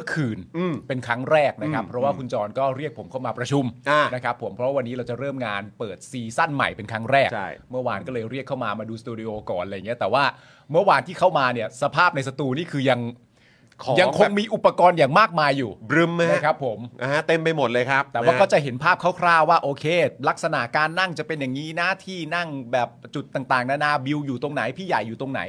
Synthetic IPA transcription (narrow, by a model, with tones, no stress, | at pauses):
m˥əkʰɯː˨˩nː˧˩pe˧nkʰɾa˦˥ŋɾɛː˥˩k̚na˦˥kʰa˦˥pʰɾɔ˦˥waː˥˩kʰu˧nt͡ɕɔː˧nkɔː˥˩ɾi˥˩ək̚pʰo˩˦mkʰa˥˩wmaː˧pɾa˧t͡ɕʰu˧mʔa˧˩na˦˥kʰa˦˥pʰːo˩˦mpʰɾɔ˦˥wa˧nːiː˦˥ɾa˧wt͡ɕa˨˩ɾɤː˥˩mŋaː˧npɤː˨˩t̪̚siː˧sa˥˩nma̰˨˩jpe˧nkʰɾa˦˥ŋɾɛː˥˩kt͡ɕʰa̰˥˩jmɯ˥˩ɐwaː˧nkɔː˥˩lɤː˧jɾi˥˩kʰːa˥˩wmaː˧maː˧duː˧st̪uː˧di˧ʔoː˧kɔː˨˩nla˧ja˨˩ŋː˩˦˥t̪ɛː˨˩waː˥˩ | mɯ˥˩waː˧nt̪ʰiː˥˩kʰa˥˩wmaː˧ni˥˩ɐsa˧pʰaː˥˩p̚na˧jsa˧t̪uː˧niː˥˩kʰɯː˧ja˧ŋ | kʰːja˧kʰo˧ŋmiː˧ʔu˨˩pːa˧kɔː˧njaː˨˩ŋmaː˥˩k̚maː˧jːuː˨˩bɾɯ˧mːa˥˩˥kʰa˦˥pʰːo˩˦mʔaː˧˩t̪e˧mpa˧jmo˨˩t̪̚lɤː˧jkʰa˦˥p̚t̪ɛː˨waː˥˩kɔː˥˩t͡ɕa˨˩ɦe˩˦npʰaː˥˩p̚kʰa˥˩wkʰɾlaː˥˩waː˥˩ʔoː˧kʰeː˧la˦˥k̚sa˧na̰˨˩ʔkaː˧nːa˥˩ŋt͡ɕa˨˩pe˧nja˨˩ŋːiː˦˥na˦˥˩t̪ʰiː˥˩na˥˩ŋbɛː˨˩p̚t͡ɕu˨˩t̪ːaː˨˩ŋt̪aː˨˩ŋna˦˥na˦˥bi˧wjuː˨˩t̪o˧ŋna˩˦jpʰiː˥˩ja˨˩jːuː˨˩t̪o˧ŋna̰˩˦j